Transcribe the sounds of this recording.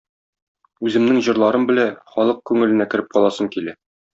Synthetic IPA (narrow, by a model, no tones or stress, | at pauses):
ʉzɘ̆mnɘŋʑɤ̆ɾlˠɑɾɤmbɘ̆læχɒlˠɤq̚kʉŋɘ̆lɘ̆nækɘ̆ɾɘp̚qɒlˠɑsɤɴkilæ